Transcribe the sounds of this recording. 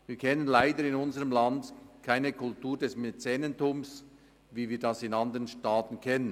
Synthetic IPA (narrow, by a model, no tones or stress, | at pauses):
viːkʰɛnənlaɪdəɾɪnʊnzəʁəmlɑndkʰaɪnəkʰʊltuːɐdɛsmet͡sɛːnəntʊms | viːviːɐdɑsɪnɑndəʁənʃtaːtn̩kʰɛnən